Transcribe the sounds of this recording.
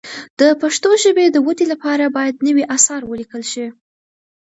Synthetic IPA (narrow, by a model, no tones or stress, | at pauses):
d̪̥əpaʂt̪oʒəbed̪əwəd̪ilapɑɾabɑjad̪nəwiʔasɑɾwəlikəlʃi